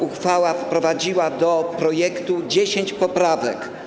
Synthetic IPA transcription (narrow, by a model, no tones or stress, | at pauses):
uxfawafpɾɔvad͡ʑiwad̪ɔpɾɔjɛkt̪ud͡ʑeɕeɲt͡ɕpɔpɾavɛ̰k